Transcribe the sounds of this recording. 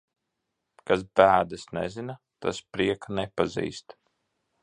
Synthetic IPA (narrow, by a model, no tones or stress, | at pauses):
kas̬bæːd̪asnɛ̰zina | t̪a̰spɾiɛknɛpazḭːst̪